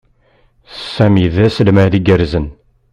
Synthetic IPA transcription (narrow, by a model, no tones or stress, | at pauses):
sæmiðæsəlmæðiɡəɾzən